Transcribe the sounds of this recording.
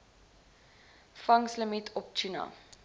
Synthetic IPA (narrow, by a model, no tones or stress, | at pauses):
fɐŋsləmitʰɔp̚t͡ʃinɑ̰